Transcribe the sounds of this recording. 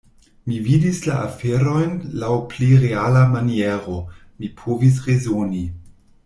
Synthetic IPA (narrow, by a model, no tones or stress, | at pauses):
mividislaʔafeɾo̞jnlawpliɾealamanieɾo | mipʰovis̬ʁezoni